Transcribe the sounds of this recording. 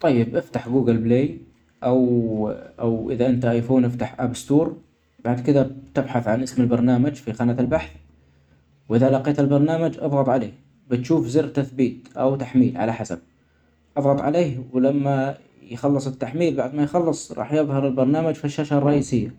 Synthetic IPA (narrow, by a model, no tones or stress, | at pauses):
t̪ˤɑjːɪbʔɪft̪aħɡuːɡɪlbleːj | ʔaw | ʔawʔɪðaʔɪnt̪aʔajfuːnʔɪft̪aħʔabst̪uːɾ | baʕd̪kɪðat̪ɪbħaθʕanʔɪsmɪlbɑɾˤnaːmad͡ʒfixanatɪlbaħθ | wʔɪðalɑqeːt̪ɪlbɑɾˤnaːmad͡ʒʔɑ̰ðˤɣɑt̪ˤʕaleːh | bɪt̪ʃuːfzɪrt̪aθbiːt̪ʔawt̪aħmiːlʕa̰laħasa̰b̚ | ʔɑðˤɣɑt̪ˤʕa̰leːhwlamːa | jxɑlːɨsˤɪt̪ːaħmiːlbaʕd̪majxɑlːɨsˤɾˤɑ̰ːħjɪðˤhɑɾˤɪlbɑɾˤnaːmad͡ʒfiʃːaʃarˤɑʔiːsɪjːa